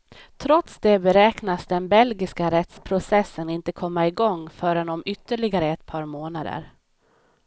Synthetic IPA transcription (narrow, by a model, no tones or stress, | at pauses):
t̪ʰɾɔt̪sd̪ɛbɛɾɛːknasd̪ɛnbɛlɡɪskaɾɛt̪spʰɾʊsɛsːənɪnt̪əkʰɔmːaɪɡɔŋːfœːɾənɔmʏt̪ːəɭɪɡaɾəɛt̪pʰɑːɾmoːnad̪ə̰ɾ